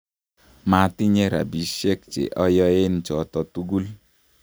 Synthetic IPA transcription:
ma˨˦ti˦ɲe˦ɾa̰˨bi˨˦ʃe˦k̚t͡ʃḛ˨ʔɔ˦jɔ˦e˦n̩˨t͡ʃɔ˨tɔ˨tu˦ɡu˦l

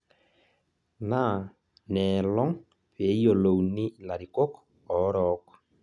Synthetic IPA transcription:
na˦˨ | nɛ˨lɔ˦ŋ | pe˨˦i˦o˨lo˨uni˦la˨ɾi˨ko˦k | ɔ˨˦ɾɔ˨˦kɔ̥˨

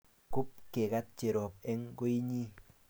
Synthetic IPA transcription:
ku˦p̚ke˨ka˦t̚t͡ʃe˨ɾɔ˨p̚ɛ˦ŋɡo˦i˦ɲi˦

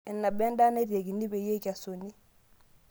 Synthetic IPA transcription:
ɛ˨nːa˨bɛ˦nda˦ne˦ɾe˨ɡi˨ni˦be˨je˦ka˨so˨ni˦

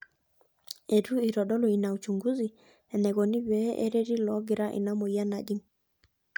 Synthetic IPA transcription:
e˨ɾu˦i˨ɾɔ˨ɗɔ˦lɔ˨i˨na˨u˨t͡ʃu˨ŋɡu˦zi˨ | ɛ˨nɛ˨ɣɔ˨nɪ˦βɛ˦ʔḛ˦ɾe˦ɾi˦lɔ˨˦ɡɪ˨ɾa˦ʔɪ̰˨na˦mɔ˨ja˦na˨ɗi˦ŋ

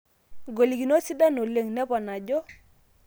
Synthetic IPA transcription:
ɡo˨li˨ɡi˨no˦si˦da˦no˨le˦˨ŋnɛ˦pɔ˨na˨d͡ʒɔ˦

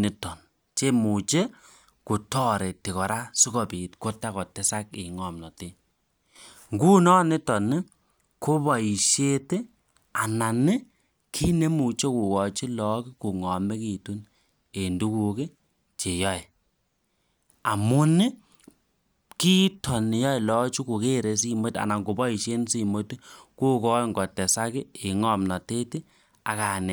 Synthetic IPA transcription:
nɪ˨tɔ˨n | t͡ʃe˦mu˨t͡ʃe˦ | ku˨tɔ˦ɾe˨ti˨kɔ˨ɾa˦su˦kɔ˨pi˨tko˦tːa˦kɔ˨tɛ˦sa˦ki˨ŋɔ˨mnɔ˨te˦ | ŋɡu˦nɔ˦nɪ˦tɔ˨nɪ˦ | ko˦bɔ˨i˨ʃe˦te˦ | a˨na˨nɪ˦ | kʰi˦ne˦mu˨t͡ʃe˦ku˨wɔ˨t͡ʃi˦lɔ˦kɪ˦ku˨ŋɔ˨me˦ki˨tu˦n | e˨ndu˦ku˨ke˦ | t͡ʃe˨jɔ˦ɛ˨ | a˨mʊ˦nɪ˦ | ki˦tɔ˨n˨jɔ˦jlɔ˨˦t͡ʃu˦ku˨ke˦˨ɾe˨s̬i˦mo˦ta̰˨na˨ŋɡo˨bɔ˦i˨ʃe˦nsi˦˨mo˦tku˦kɔ˦ŋɡɔ˨tɛ˨sa˦kɪ˦e˨ŋɔ˦˨mna˨te˦tɪ˦ | a˨ka˨nɛ˨

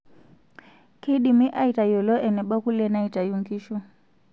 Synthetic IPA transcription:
kʰe˦ɗi˨mi˦ʔa˦i˨ta˨jɔ˨lɔ˦ʔɛ˨nɛ˨ɓa˦ku˦lɛ˦na˦i˨ta˨juŋɡi˦ʃɔ˦

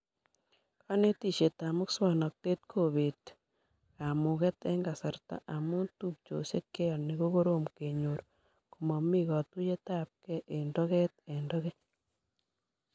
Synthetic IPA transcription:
ka˦ne˦ti˦ʃe˨ta˨mo˦kswa˨no˨k̚te˦t̚kʰoβe˨t | a˨mu˨ɣe˦te˦ŋɡa˨sa˨ɾta̰˨ʔa˨mo˦tu˦k̚t͡ʃo̰˨se˦ke˦ɔneɣo˦ɣo˦ɾo˦mke˨ɲo˨ɾo | komo˨mi˦ɣɔ˨tu˦je˦ta˦p̚ke˦ʔe˨ndo˦ɣe˦tendo˦ɣe˦

